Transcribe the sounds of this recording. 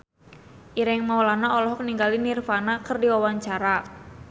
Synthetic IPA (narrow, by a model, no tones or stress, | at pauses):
ʔiɾɪŋmawlanaɔlɔɦɔk̚niŋɡalinirfanakərdiwawaɲt͡ʃaɾa